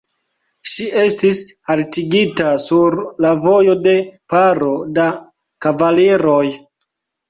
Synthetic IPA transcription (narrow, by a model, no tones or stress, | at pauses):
ʃiʔe̞stishaltiɡitasuɾlavo̞jo̞de̞paɾo̞da | kavaleɾo̞j